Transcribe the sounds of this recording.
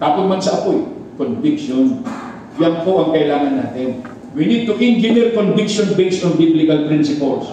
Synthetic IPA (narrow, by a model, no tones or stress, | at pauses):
k̪aːpot̪̚mɐnsɐʔɐpojkonvɪkʃon | jɐnpoʔɐŋkɐʔɪlaːŋɐnːaːt̪ɪn | winid̪̚t̪ʊkɪ̃ŋd͡ʒɪd̪ɛɹkonvɪkʃonbejsoŋbiblɪkɐlpɾinsɪpɛls